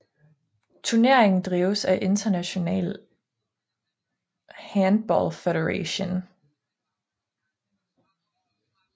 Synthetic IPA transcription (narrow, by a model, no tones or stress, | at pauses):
t͡sʰuɐne̝ɐ̰eŋn̩d̥ʁiːʊsæʔe̝nd̥ɐnæɕo̝nɛ̰ːl | hæn̥̚b̥ɒ̰lfeɾəʁeɕon